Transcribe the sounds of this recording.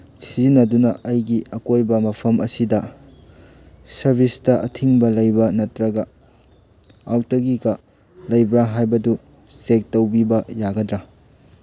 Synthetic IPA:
sizinɐdunɐʔɐjɡiɐkojbɐmɐpʰɐmʔɐsidɐ | sɐɾbʱistɐʔɐtʰiŋbɐlɐjbɐnɐtɾɐɡɐ | awtɐɡikɐ | lɐjbɾaɦajbɐdu | sek̚tɐwbibɐjaɡɐdɾa

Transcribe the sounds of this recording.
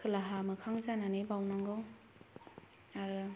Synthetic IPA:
kʰɯlaɦamɯkʰaŋzananebawnaŋɡɯw | aɾɯ

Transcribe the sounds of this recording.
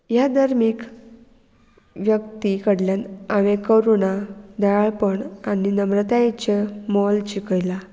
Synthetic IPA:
jad̪aɾmik | ʋjəkt̪ikəɽljanaʋekəɾunad̪aɭaɭpəɳaninəmɾət̪ajt͡ɕemɔlt͡ɕikəjla

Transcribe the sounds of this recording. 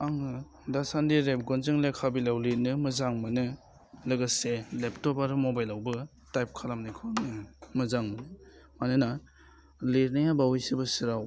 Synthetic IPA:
aŋɯ | dasandiɾep̚ɡɔnzɯŋlekʰabilawlit̚nɯmɯzaŋmɐnɯ | lɯɡɐseleptɔbaɾmobajlawbɯ | tajp̚kʰalamnajkʰɔnɯmɐzaŋmɐnɯmanɯna | lit̚najabawijsibɐsiɾaw

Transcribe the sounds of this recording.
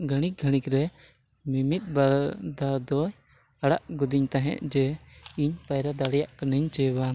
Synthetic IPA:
ɡʱəɽ̃ik̚ɡʱəɽ̃ikɾɛ | mimit̪̚ˀbaɾd̪ad̪ɔj | aɽa̰ʔɡud̪iɲt̪aɦɛ̰̃ʔd͡ʒɛiɲpajɾad̪aɽɛjaʔkaniɲt͡ʃɛba

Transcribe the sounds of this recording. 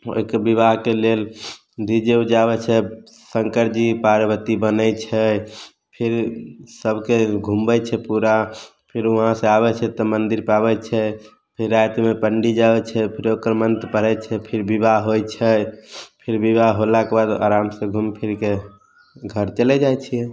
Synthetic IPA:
o̰ikəɾbibaɦkelel | d̪id͡ʒed͡ʒaβɛt͡ʃʰɛ | səŋkəɾd͡ʒipaɾəbət̪ibənət͡ʃʰɛ | pʰiɾsəbʱkeɡʱumbət͡ʃʰɛpuɾa | pʰiɾəɦãsẽaβɛt͡ʃʰɛt̪ɔmənd̪iɾpabɛt͡ʃʰɛ | pʰiɾːajt̪mepəɳɖid͡ʒabɛt͡ʃʰɛpʰiɾokəɾmənt̪pəɾɛt͡ʃʰɛpʰiɾbibaɦɦojt͡ʃʰɛpʰiɾbibaɦɦolakebad̪a̰ɾamsẽɡʱumpʰiɾke | ɡʱəɾt͡ʃəlɛd͡ʒajt͡ʃʰijɛ̃

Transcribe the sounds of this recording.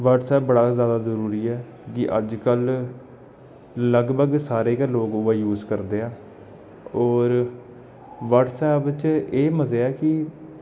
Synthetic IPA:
ʋəʈsɛːp̚bəɽaːzjaːd̪aːzəɾuːɾiːɛː | kɪʔəd͡ʒkəl | ləɡbʱəɡsaːɾeːkaloːɡʊʋəːjuːzkəɾd̪eːaː | ɔːɾ | ʋəɖsɛːpt͡ʃeːməzeːaːkɪ

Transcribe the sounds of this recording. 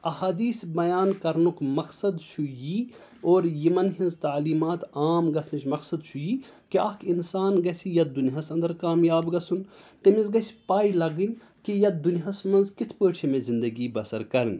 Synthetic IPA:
ɐhaːd̪iːsbɐjaːnkɐɾnukmɐksɐd̪ʃʰujiː | oːɾjimɐnɦinzt̪aːliːmaːt̪aːmɡɐsʰnit͡ʃmɐksɐd̪t͡ʃʰujiː | kiakʰinsaːnɡɐsijɐt̪̚d̪uniɦɐsɐnd̪ɐɾkaːmjaːbɡɐsunt̪emizɡɐspaːilɐɡɨnʲ | kijɐt̪̚d̪unɦɐsmɐnzkit̪ʰpəːʈt͡ʃʰimẽzind̪ɐɡiːbɐsɐɾkɐɾnʲ

